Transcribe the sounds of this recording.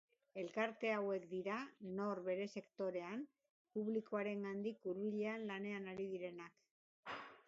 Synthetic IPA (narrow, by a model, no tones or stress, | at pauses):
e̞lkaɾt̪e̞awe̞kd̪iɾano̞ɾβe̞ɾe̞se̞kt̪o̞ɾe̞an | puβliko̞aɾe̞ŋɡand̪ikuɾβiʎe̞anlane̞anaɾiðiɾe̞nak